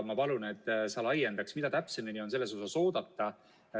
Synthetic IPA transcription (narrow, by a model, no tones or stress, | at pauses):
mɑpɑlune̞t̪ːˑsɑlɑjend̪̥ɑksmid̪̥ɑt̪æpseminio̞nse̞lːe̞s̬o̞sɑso̞ːd̪̥ɑt̪ːˑɑ